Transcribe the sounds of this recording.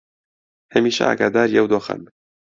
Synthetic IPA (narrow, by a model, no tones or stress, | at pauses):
hɐmiːʃɐ̰ʔa̰ːɡaːd̪aːɾiɐwd̪oːxɐ̰m